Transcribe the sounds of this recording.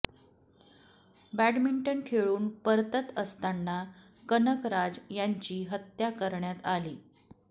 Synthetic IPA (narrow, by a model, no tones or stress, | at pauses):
bæɖmiɳʈənkʰeɭuːnpəɾt̪ət̪əst̪anːa | kənəkɾad͡zjaɲt͡ɕiːɦət̪jakəɾɳjat̪aliː